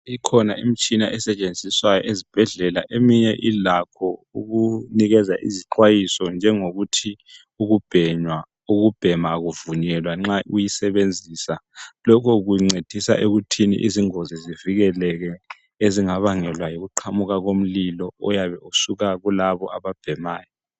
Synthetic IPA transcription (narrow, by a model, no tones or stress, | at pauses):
ikʰɔnaim̩t͡ʃʼinaʔɛsɛt͡ʃʼend͡zʱiswajɔ̰ʔezib̥ʱɛɮɛlaʔemiɲɛʔilakʰɔuɣuniɣɛzaʔḭziǃʰwajisɔnd͡ʒʱɛŋoɣutʰi | uɣub̥ʱɛɲwa | uɣub̥ʱɛmaːɣuvuɲɛlwaŋ͡ǁaʔujisɛβend͡zʱiːsalɔkʰɔɣuŋ͡ǀed̥ʱisa̰ʔeɣutʰinḭʔiziŋoziziviɣɛlɛɣɛ | eziŋaβaŋɛlwajoɣuǃʰamuɣaɣom̩lilɔɔjaβɛusuɣaɣulaβɔ̰ʔaβab̥ʱɛmaːjɔ